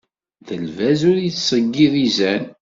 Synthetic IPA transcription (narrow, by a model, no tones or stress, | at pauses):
ðəlvæzʊɾjit͡ssˤəɡːiðizæn